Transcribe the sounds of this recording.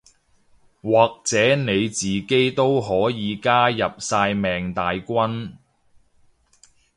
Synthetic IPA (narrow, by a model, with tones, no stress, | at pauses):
waː˨k̚t͡sɛː˨˥ne˨˧jt͡siː˨ke˥jt̪o˥wɦɔː˨˥jiː˨˧kaː˥jɐ˨p̚saː˧jmɛː˨ŋt̪aː˨jkʷɐ˥n